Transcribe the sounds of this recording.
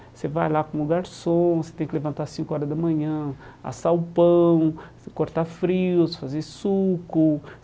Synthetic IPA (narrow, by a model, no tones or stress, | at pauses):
sevajlakõʊɡaɾsõset̪ẽj̃kɪlevɐ̃nt̪asĩŋkʊɔɾɐzd̪ɐmɐ̃ɲɐ̃a̰sawʊpɐ̃w̃ | koɾt̪afɾiʊsfazeɾsukʊ